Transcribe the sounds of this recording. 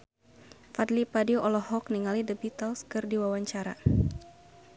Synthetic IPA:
fad̪lipadioʔɔlɔhɔk̚niŋalidəbit̪əlskɨrdiwawaɲt͡ʃaɾa̰

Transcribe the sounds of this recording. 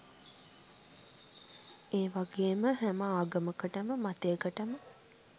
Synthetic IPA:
eːʋaɡeːməɦæməaːɡəməkəʈəməmat̪ejəkəʈəmə

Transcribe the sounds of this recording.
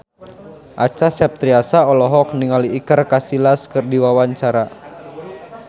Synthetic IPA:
ʔat͡ʃasɛp̚t̪ɾiasaɔlɔɦɔk̚niŋaliːkərkasilaskɨrdiwawaɲt͡ʃaɾa

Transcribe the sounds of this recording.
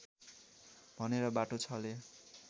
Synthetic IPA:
bʱʌneɾʌbaʈot͡sʰʌle

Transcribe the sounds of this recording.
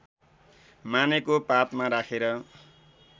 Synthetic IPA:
manekopapmaɾakʰeɾʌ

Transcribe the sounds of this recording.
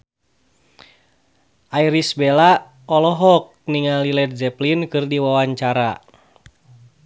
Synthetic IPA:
ʔaiɾisbɛla | ɔlɔɦɔk̚niŋalilɛt̪̚d͡ʒɛplinkɨrdiwawaɲt͡ʃaɾa

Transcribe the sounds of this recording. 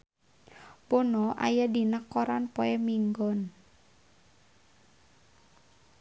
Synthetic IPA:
bonɔʔa̰jadinəkːoɾanpɔɛmiŋɡɔn

